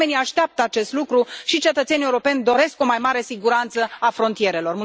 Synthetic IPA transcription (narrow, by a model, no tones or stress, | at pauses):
e̞niaʃt̪eap̚t̪əat͡ʃe̞st̪lukɾuʃit͡ʃet̪ət̪senieuɾo̞pe̞nʲd̪o̞ɾe̞sko̞majmaɾe̞siɡuɾant̪səafɾo̞nt̪ije̞ɾe̞lo̞rmu